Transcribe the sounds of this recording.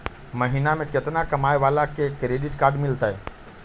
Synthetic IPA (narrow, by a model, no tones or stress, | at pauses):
mɐɦiːnamẽkɪt̪nakɐmaːeʋaːlakekːɾeːɖɪʈkaːɾɖmɪlt̪aɦɛː